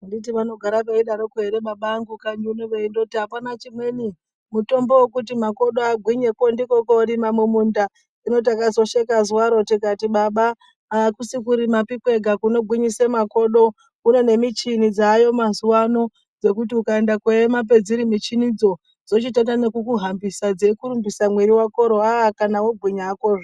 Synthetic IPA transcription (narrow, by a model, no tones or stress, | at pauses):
andit̬iʋano̞ɡʱaɾapeiɗaɾokue̞ɾeɓaɓaːŋɡukaɲiuneʋeindo̞tiɦapanat͡ʃimwe̞ni | muto̞mbo̞wekut̬imako̞ɗo̞aɡʱwiɲeko̞ndiko̞ko̞ɾimamwemunda | ino̞t̬akazo̞ʃekazuwaɾo̞tikatiɓaɓaː | kusikuɾimapikwe̞ɡʱakuno̞ɡʱwiɲise̞mako̞ɗo̞ | une̞ne̞mit͡ʃinid͡zajo̞mazuwano̞ | d͡ze̞kutiukae̞ndakwemap̬e̞d͡ziɾimit͡ʃinid͡zo̞ | d͡zo̞t͡ʃitatane̞kukuɦambisad͡zekuɾumbisamweɾiwako̞ɾoaakanawobʱwiɲaːko̞ro